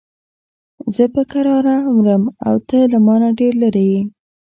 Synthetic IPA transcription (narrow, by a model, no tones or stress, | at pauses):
zəpəkaɾɑɾamɾəma̰wt̪əlamɑnaɖeɾlaɾeji